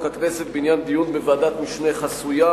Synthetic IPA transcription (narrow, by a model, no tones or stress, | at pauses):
kat̪vɛset̪̚binjand̪ijunbevad̪at̪miʃneχasuja